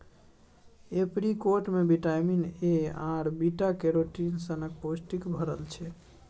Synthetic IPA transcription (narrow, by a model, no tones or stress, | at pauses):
epɾikoɾʈmebiʈajmineãɾbiʈakeɾoʈinsənək̚posʈikbʱəɾəlt͡ʃʰɛ